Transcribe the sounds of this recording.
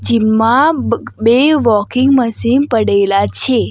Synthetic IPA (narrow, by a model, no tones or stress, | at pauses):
d͡ʒimːãbeʋɔkɪ̃ŋɡməsimpəɽelat͡ʃʰe